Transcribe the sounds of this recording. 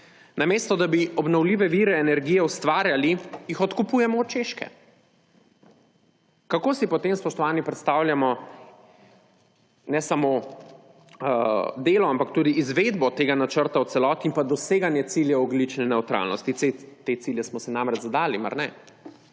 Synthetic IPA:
nameːst̪ɔd̪abiɔbnɔwliːʋɛʋiɾɛːnɛɾɡijɛust̪ʋaːɾjalijixɔt̪kupujɛmɔːt͡ʃeʃkɛ̰ | kakoːsipɔt̪emspɔʃt̪ɔʋaːnipɾɛt̪st̪aːwljamɔ | nɛsamo | d̪eːlɔampakt̪uːd̪iːzʋed̪bɔt̪eːɡanat͡ʃəɾt̪awt̪sɛlɔːt̪iːmpad̪ɔseːɡanjɛt̪siljɛɔɡlit͡ʃnɛnɛwt̪ɾa̰lnɔst̪iet̪et̪siljɛsmɔsɛnamɾɛt͡ʃzad̪aːlima̰ɾnɛ

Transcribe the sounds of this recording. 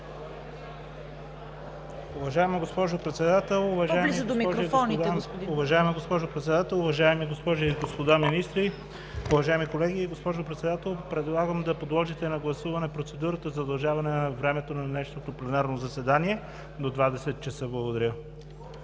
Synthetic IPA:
ʊvɐʒaɛmɐɡospɔʒʊpɾɛt̪sɛd̪at̪ɛlˠʊvɐʒaɛlimiɡzd̪omiɔɾoɡfɔnspd̪ʊvɐʒaɛmɐɡospɔʒʊpɾɛt̪sɛd̪at̪ɛlˠʊvɐʒaɛmiɡospɔʒiːɡospod̪aminist̪ɾi | ʊvɐʒaɛmikolɛɡiːɡospɔʒʊpɾɛt̪sɛd̪at̪ɛlˠpɾɛd̪lˠaɡəmd̪ɐpod̪lˠɔʒit̪ɛnɐɡlˠɐsuvɐnɛpɾot̪sɛd̪uɾət̪əzɐd̪ɐlˠʒavɐnɛnɐvɾɛmɛt̪onɐnɛʃnot̪oplɛnaɾnozɐsɛd̪aniɛ | d̪od̪vad̪ɛsɛt̪̚t͡ʃɛsɤblˠɐɡod̪ɐɾʲɤ

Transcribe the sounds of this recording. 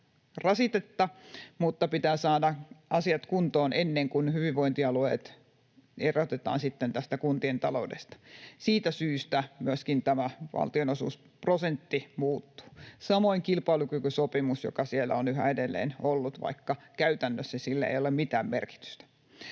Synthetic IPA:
rɑsit̪et̪ːɑmut̪ːɑpit̪æːsɑːdɑɑsiɑt̪kunt̪oːnʔenːeŋkunhyʋiʋʋoint̪iɑluḛt̪ | erot̪et̪ɑ̰ːnsit̪ːent̪æst̪ækunt̪ient̪ɑlo̰udḛst̪ɑ̥siːt̪æsyːst̪æmyæskint̪æmæʋɑ̰lt̪ionosṵːs | prosent̪ːimuːt̪ːu̥ːsɑmoiŋkilpɑilukykysopimusjo̰kɑsielːæ̰onyɦæ̰edelːḛːnolːut̪ʋɑ̰ikːɑkæyt̪ænːøsːæsilːæḛjolemmit̪æːmmerki̥t̪y̥st̪æ̥

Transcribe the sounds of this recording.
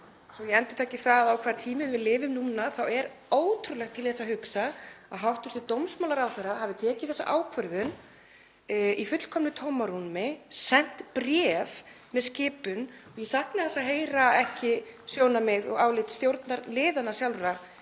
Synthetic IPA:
sɔjɛɛnt̪ʏt̪ʰaːjcɪθaðawkʰv̥aːɾ̥t̪ʰiːmɪvɪðlɪːvɪmnuːnːaθawɛɾ | oːwt̪ʰɾʏlɛxt̪ʰɪlθɛsahʏksaaðɦawht̪ʏɾ̥t̪ʰɪt̪owmsmawlaɾawθɛɾahavɪt̪ʰɛːcɪθɛsa̰ʔaːwkʰvœɾðʏn | ifʏt̪l̥kʰɔmnʏt̪ʰowmaɾunmɪsɛn̥t̪pɾjɛv | mɛðscɪːpʏnɔɣjɛsahknaθɛsaðɦeːjɾaɛhcɪsjoːwnamɪðɔɣaːwlɪt̪st̪jowɾt̪naɾlɪːðanasjalɾa

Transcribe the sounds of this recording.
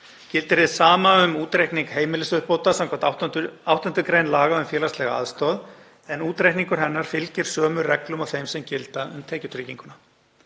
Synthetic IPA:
cɪlt̪ɪɾɪðsaːmaʏmuːt̪ɾejhkniŋkɦeːjmɪlɪsʏhpowt̪asawŋkʰvat̪awht̪ant̪ʏkɾejnlaːɣaʏmfjɛːlast̪lɛɣa̰a̰ðst̪ɔð | ɛnuːt̪ɾejhk̪niŋkʏɾ̥ɦɛnːaɾ̥fɪlcɪɾ̥sœːmʏrɛklʏmawθejmsɛmcɪlt̪aʏmt̪ʰɛːcʏt̪ʰɾɪciŋkʏna

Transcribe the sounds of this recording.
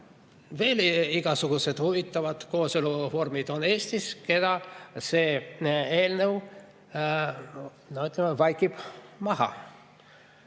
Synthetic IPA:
ve̞ːliɡ̥ɑsuɡ̥use̞d̪̥huvit̪ːˑɑvɑd̪̥ko̞ːselufo̞rmid̪̥o̞ne̞ːst̪iske̞d̪̥ɑse̞ːe̞ːlnew | nɑyt̪ːˑlemevɑjkːˑib̥mɑɦɑ̰

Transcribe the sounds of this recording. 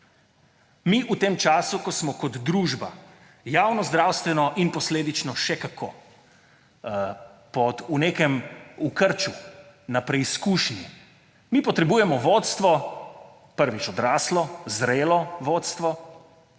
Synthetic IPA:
miːʔut̪eːmt͡ʃaːsukɔsmɔkɔd̪d̪ɾuːʒba̰ | jaːwnɔzd̪ɾaːwst̪ʋɛnɔʔinpɔsleːd̪it͡ʃnɔʃɛkakʰoː | pɔuneːkɛmukəɾt͡ʃunapɾɛiskuːʃni | mipɔt̪ɾɛbuːjɛmɔʋoːt̪st̪ʋɔ | pəɾʋit͡ʃɔd̪ɾaːslɔzɾeːlɔʋoːt̪st̪ʋɔ

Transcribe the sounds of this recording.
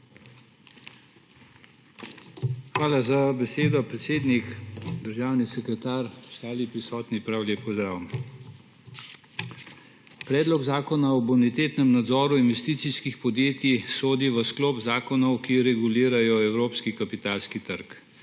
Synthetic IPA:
xʋaːlazabɛseːd̪ɔpɾɛt̪seːd̪nikd̪əɾʒaːwnisɛkɾɛt̪aːɾʃt̪aːlipɾisɔːt̪nipɾawlepɔzd̪ɾaːwm | pɾɛːd̪lɔɡzaːkɔnaɔbunit̪eːt̪nɛmnad̪zɔːɾuinʋɛst̪iːt̪siskixpɔd̪jeːt̪isoːd̪iʋəskloːpzaːkɔnɔwkiɾɛɡuliːɾajɔɛwɾoːpskikapit̪aːlskit̪əɾk

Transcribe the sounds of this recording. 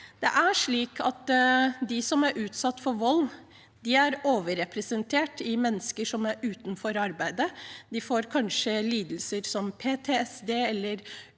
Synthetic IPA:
d̪̥ɛʔæʂɭiːkʰɑt̪d̪ɪsɔmæɾʔʉːt̪sɑt̪ːfɔɾʋɔlː | d̪ɪæɾoːʋəɾɛpɾəsənt̪ʰeːʈɪmɛnːəskəʂɔmæɾʉːt̪nfɔɾɑɾbæɪd̪əd̪ɪfoːɾkʰɑnʂəliːd̪l̩səɾsɔmpʰeːt̪ʰeːɛsd̪eːɛlːəɾ

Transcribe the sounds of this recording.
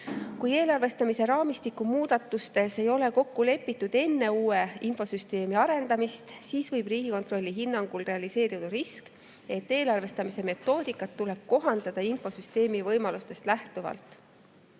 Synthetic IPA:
kuje̞ːlɑrve̞st̪ɑmise̞ɾɑːmist̪ikːumuːd̪̥ɑt̪ːˑust̪e̞se̞jo̞le̞ko̞kːule̞pːˑit̪ːˑud̪̥e̞nːe̞uːe̞info̞syst̪e̞ːmiɑɾe̞nd̪̥ɑmist̪siːsvɤjb̥riːɡ̥iko̞nt̪ro̞lʲːiɦinːɑŋɡ̥ulre̞ɑlise̞ːɾid̪̥ɑɾisk | e̞t̪ːe̞ːlɑrve̞st̪ɑmise̞me̞t̪ːo̞ːd̪̥ikːˑɑt̪ːule̞b̥̚ko̞ɦɑnd̪̥ɑd̪̥ɑinfo̞syst̪e̞ːmivɤjmɑlust̪e̞st̪læht̪uvɑ̰lt̪ˑ

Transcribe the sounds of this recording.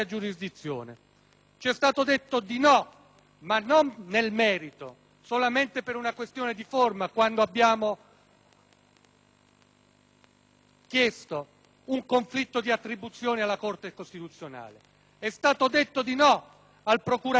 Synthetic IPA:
ad͡ʒuɾizd̪it̪sːjo̰ːnḛ | t͡ʃɛst̪aːt̪od̪et̪ːod̪inɔ | manːonːelmɛːɾit̪o | solament̪epeɾunakwest̪joːned̪iformakwand̪oabːjaːmo | kjɛst̪o | uŋkoɱflit̪ːod̪iat̪ːɾibut̪sːjoːnealːakort̪ekost̪it̪ut̪sːjona̰ːle | ɛst̪aːt̪od̪et̪ːod̪inɔ | alpɾokuɾa

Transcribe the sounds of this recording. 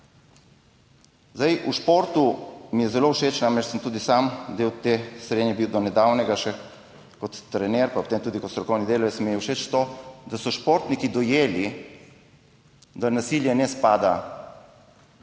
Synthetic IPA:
zd̪ajuʃpoɾt̪umijɛzɛlowʃeːt͡ʃnaːmɾɛt͡ʃsəmt̪uːd̪isamd̪eːwt̪esɾeːd̪njɛbiwd̪ɔnɛd̪aːwnɛɡaʃɛ | kɔt̪ːɾɛnɛːɾpapot̪eːmt̪uːd̪ikɔt̪st̪ɾɔkɔwnid̪eːlɔjɛsmiɛwʃet͡ʃt̪od̪asɔʃpoɾt̪nikid̪ɔjeːli | d̪anasiljɛnɛspaːd̪a

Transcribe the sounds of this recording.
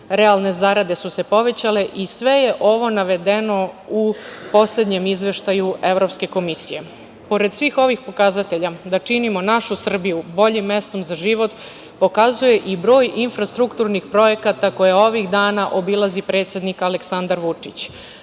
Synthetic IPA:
ɾealˠne̞zaɾad̪e̞suse̞po̞ʋe̞t͡ɕale̞ʔisʋe̞je̞ʔo̞ʋo̞naʋe̞d̪e̞no̞upo̞sle̞d̪ɲemizʋe̞ʃt̪ajue̞ʋɾo̞pske̞ko̞misije̞ | po̞ɾe̞d̪sʋiːxo̞ʋixpo̞kazat̪e̞ʎad̪at͡ʂinimo̞naʃusr̩bijubo̞ʎimːe̞st̪o̞mzaʒiʋo̞t̪ | po̞kazuje̞ʔibɾo̞ːjʔinfɾast̪ɾukt̪uɾnixpɾo̞je̞kat̪ako̞jeo̞ʋiɣd̪aːnaʔo̞bilazipɾe̞ːt̪sje̞d̪nikaleksand̪aɾʋut͡ʂit͡ɕ

